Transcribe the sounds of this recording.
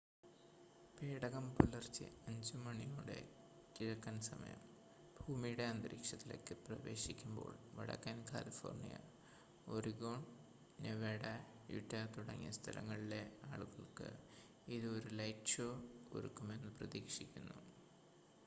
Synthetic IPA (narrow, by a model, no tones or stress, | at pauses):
peːɽɐɣɐmpulːɐrt͡ɕːɨ̰ɐɲd͡ʑumɐɳijuːɽe̞̰ | kiɾɐkːɐnsɐmɐ̰jɐ̰m | bʱuːmijɽe̞ɐnd̪ɐɾiːkʂɐt̪ːile̞̰ːkːɨprɐʋe̞ːɕikʲːumbo̞̰ːɭʋɐɽɐ̰kːɐnkʰa̰ːlifo̰ːrnijɐ̰ | oriɡo̞ːɳ | neʋeːɽɐ | jṵʈːɐt̪uɽɐŋːjɐst̪ʰɐlɐ̰ŋːɐɭile̞aːɭuɣɐɭkɨ̰ | iðɨo̞ɾulɐjʈʂoːo̰ɾṵkːume̞nːɨprɐðiːkʂikʲːunːu